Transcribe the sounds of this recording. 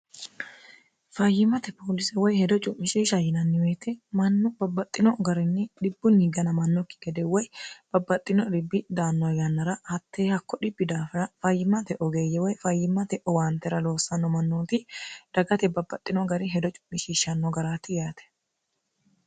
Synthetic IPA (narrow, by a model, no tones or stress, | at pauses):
fɐjːɪmɐt̪ɛpʰoːlɪsɛwɔjhɛd̪ɔt͡ʃʼʊmːɪʃiʃɐjɪnɐnːɪweːt̪ɛmɐnːɔbɐbːɐt̪ʼːɪnɔɡɐɾɪnːɪᶑɪbːʊniɡɐnɐmɐnːɔkːɪ̥ɡ̥ɛd̪ɛwɔjb̥ɐbːɐt̪ʼːɪnɔᶑ̪ɪbːɪd̪aːnːɔjɐnːɐɾɐhɐt̪ːeːhɐkːɔᶑɪbːɪd̪aːfɐɾɐfɐjːɪmːɐt̪ɛʔɔɡeːjːɛwɔjfɐjːɪmːɐt̪ɛʔɔwaːnt̪ːɛɾɐlo̞ːsːɐnːɔmɐnːoːt̪ɪd̪̥ɐɡɐt̪ɛbɐbːɐt̪ʼːɪnɔɡɐɾɪɦɛd̪ɔt͡ʃʼʊ̥mːɪʃiːʃɐnːɔɡɐɾaːt̪ɪjaːt̪ʰɛ̥